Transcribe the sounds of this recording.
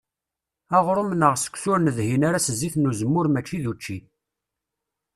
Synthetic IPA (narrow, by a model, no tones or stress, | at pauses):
æʁɾəmnəʁsə̥kʷsʊɾnəðhinaɾasəzːiθnuzəmːʊɾmæt͡ʃːiðut͡ʃːi